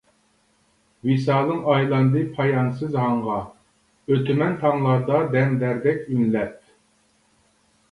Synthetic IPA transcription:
wisɑːlˠɨŋɑjlˠɑnd̪ɨpʰɑjɑnsɨzɦɑɴʁɑ | øt̪ʰymɛnt̪ʰɑŋlˠɑɾd̪ɑd̪ɛnd̪æɾd̪ɛkʲimlɛp̚

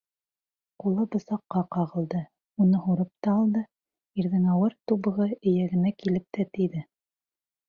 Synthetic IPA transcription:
qulˠɤbɤ̆sɑqːɑqɑʁɤ̆lˠd̪ɤ | unɤɦuɾɤp̚t̪ɑːlˠd̪ɤ | iɾðɘŋɑwɤɾt̪uβɤ̆ʁɤɘ̆jæɡɘ̆nækilɘp̚t̪ʰæt̪iðɘ

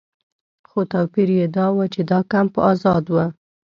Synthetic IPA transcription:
xot̪ɑwpiɾjed̪ɑwət͡ʃed̪ɑkampəɑzɑd̪wə

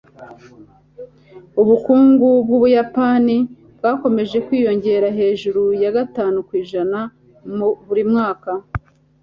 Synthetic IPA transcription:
uβukuːŋɡubɡuβujapani | bɡwaːko̞me̞ʒe̞kwiːjo̞ɲɟe̞ːɾaɦe̞ːʒuɾujaɡataːnukwiːʒana | muβuɾimŋaːka

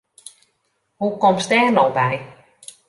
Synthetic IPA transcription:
hukɔmstɛːnɔwbɛj

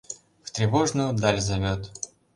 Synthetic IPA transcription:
ft̪ɾʲɪvoʐnʊjʊd̪alʲzɐvʲot̪

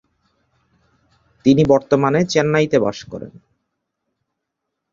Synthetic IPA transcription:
t̪inibɔɾt̪omanet͡ɕenːajt̪eba̰ʃkɔ̰ɾḛn

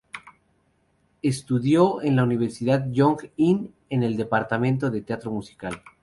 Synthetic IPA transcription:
e̞st̪uðjoenlauniβ̞eɾsiðaðjoŋɡin | e̞ne̞ld̪e̞paɾt̪amẽnt̪o̞ðe̞t̪eat̪ɾo̞musi̥kal

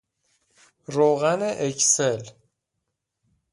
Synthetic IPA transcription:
ɾoɣæneʔecʰsel

